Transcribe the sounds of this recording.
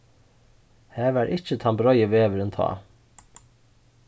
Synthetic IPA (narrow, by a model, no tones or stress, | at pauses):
hæːʋæːɾʔɪc͡çət̪ʰɑmbəɾɔʏəʋeːʋəɾɛnt̪ʰɑ̰ː